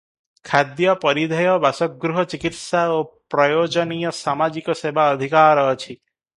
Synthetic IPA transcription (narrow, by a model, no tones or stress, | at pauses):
kʰad̪jɔpɔɾid̪ʱɔjɔbasɔɡɾuɦɔt͡ʃikit̪saopɾɔjod͡ʒɔnijɔsamad͡ʒikɔsebʱaɔd̪ʱikaɾɔːt͡ʃʰi